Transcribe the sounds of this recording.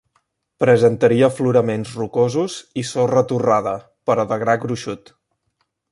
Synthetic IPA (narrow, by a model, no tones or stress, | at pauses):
pɾəzənt̪əɾiəfluɾəmenzrukozuzisorət̪uraðə | pəɾəðəɣɾaɡɾuʃut̪